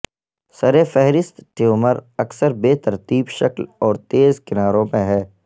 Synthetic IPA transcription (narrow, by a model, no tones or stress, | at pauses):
sɐɾefɛɦɾɪst̪ʈeoːməɾɐksəɾbeːt̪ɐɾt̪iːbʃɐklɔːɾt̪eːzkɪnaːɾõmẽɦɛː